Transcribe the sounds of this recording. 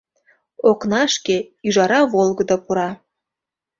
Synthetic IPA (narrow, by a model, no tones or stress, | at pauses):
oknɑʃkeyʒɑɾɑβolˠɡɤ̆d̪opuɾɑ